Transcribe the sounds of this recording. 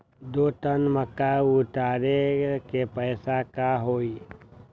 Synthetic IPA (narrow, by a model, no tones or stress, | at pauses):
d̪oːt̪ənməkːaʊʈaːɾekepəɪsakaɦoːi